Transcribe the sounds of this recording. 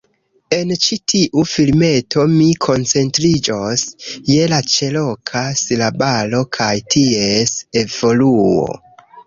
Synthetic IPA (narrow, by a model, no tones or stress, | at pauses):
e̞nt͡ʃitʰiʔufilme̞tʰo̞mikʰo̞nt͡se̞ntɾid͡ʒo̞sje̞lat͡ʃe̞lo̞kʰasilabalo̞kʰajtʰie̞se̞vo̞luo̞̰